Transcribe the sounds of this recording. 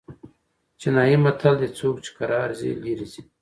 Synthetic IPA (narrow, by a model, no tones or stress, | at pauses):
t͡ɕinaːimɐt̪ʰɐld̪et͡suːkt͡ʃi̥kɐɾaːɾzḭliɾizi̥